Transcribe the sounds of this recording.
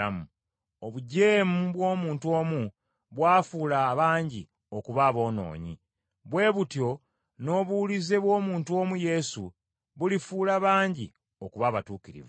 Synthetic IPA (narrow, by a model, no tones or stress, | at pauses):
amu | oβuɟe̞ːmuβwo̞ːmuːntuo̞ːmu | βwaːfuːlaβaːɲɟi | o̞kuβaːβo̞ːno̞̰ːɲḭ | βwe̞ːβutjo̞ | no̞ːβulize̞βwo̞ːmuːntuo̞ːmuje̞su | βulifuːlaβaːɲɟi | o̞kuβaβatuːkiɾḭv